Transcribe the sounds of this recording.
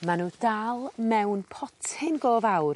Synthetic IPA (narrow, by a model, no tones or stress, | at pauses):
manuːdalˠmɛwnpʰɔtʰɪnɡoːvawr